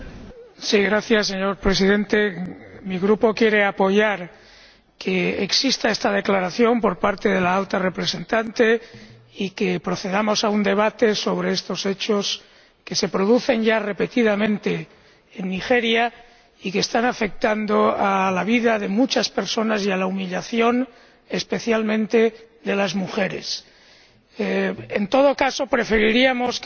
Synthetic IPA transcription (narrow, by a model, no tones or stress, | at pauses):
siɣɾaθjasːe̞ɲo̞ɾpɾe̞siðe̞nt̪e̞miɣɾupo̞kje̞ɾe̞apo̞ʝaɾ | kʰe̞eksist̪aest̪að̞e̞klaɾaθjo̞mpo̞ɾpaɾt̪e̞ðe̞laalt̪are̞pɾe̞se̞nt̪ant̪e̞ | ikepɾo̞θe̞ð̞amo̞saund̪e̞β̞at̪e̞so̞β̞ɾe̞est̪o̞se̞t͡ʃo̞s | ke̞se̞pɾoð̞uθe̞nʝare̞pe̞t̪iðamẽnt̪e̞ː | nːixeɾja | ikeːst̪anafe̞k̚t̪and̪oalaβ̞iðaðe̞mut͡ʃaspe̞ɾso̞nasialaumiʎaθjo̞n | espe̞θjalmẽ̞nt̪e̞ | d̪e̞lazmuxe̞ɾe̞̰s | ent̪o̞ð̞o̞kaso̞pɾe̞fe̞ɾiɾiamos